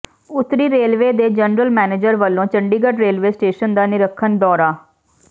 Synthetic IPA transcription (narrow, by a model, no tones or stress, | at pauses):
ʊt̪ɾiːɾeːlʋeːd̪eːd͡ʒənɾəlmɛːneːd͡ʒəɾʋəlːõːt͡ʃəɳɖiːɡəʈɾeːlʋeːsʈeːʃənd̪aːnɪɾəkʰːənd̪ɔːɾaː